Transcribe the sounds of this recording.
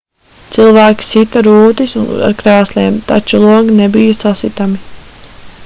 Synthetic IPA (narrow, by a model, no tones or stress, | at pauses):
t̪sɨlˠvæːkʲi̥sit̪aɾuːt̪isuna̰ɾkɾæːslʲiɛmt̪a̰t͡ʃulˠuɔɡinebijasasit̪ami